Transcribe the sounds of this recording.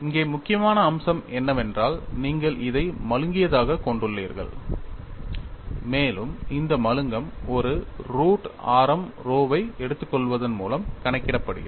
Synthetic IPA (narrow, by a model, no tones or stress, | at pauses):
ɪŋɡeːmʊkːɪjɐmaːnɐːmsɐmɛnːɐmɛndraːlniːŋɡɐɭʔɪðɐɪmɐɻɯŋɡɪjɐðaːɣɐkɔɳɖɯɭːiːɾɣɐ̰ɭ | meːlɯmɪnd̪ɐmɐɻɯŋɡɐmɔɾɯɾuːʈaːɾɐm | ɾoːʋɐɪɛɽɯt̪ːɯkːɔɭʋɐðɐnmṵːlɐmkɐɳɐɪkːɪɽɐpːɐɽɯ̰ɣɐ̰